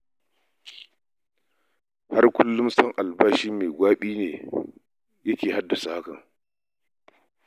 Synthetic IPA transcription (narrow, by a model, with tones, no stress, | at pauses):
ha˦rkʷʊ˦lːʊ˦msɐ˦ŋʔa˨lbaː˦ʃi˦mːeː˨ɡʷaː˦ɓiː˦neː˨ | jɐ˦kʲeː˨ha˦dːa˨sa˨ha˦kɐ̰˨ŋ